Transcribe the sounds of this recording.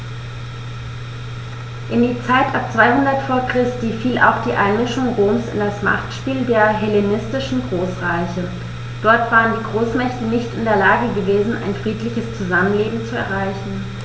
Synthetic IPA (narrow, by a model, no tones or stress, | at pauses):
ʔɪndiːt͡saɪtʔap̚t͡sv̥aɪhʊndɐtfoːɐkʁ̥ɪstiːfiːla̰ʊxd̥iːʔa̰ɪnmɪʃʊŋʁoːmsɪ̰ndasma̰χtʃpiːldeːɐɦɛlenɪstɪʃn̩ɡʁoːsʁaɪçə | d̥ɔɐtv̥aːʁəndiːɡʁoːsmɛçtənɪçtɪndeːɐlaːɡəɡəveːzn̩ʔa̰ɪnfʁ̥iːtlɪçəst͡suzamənleːbm̩t͡suɛ̰ɐʁaɪçn̩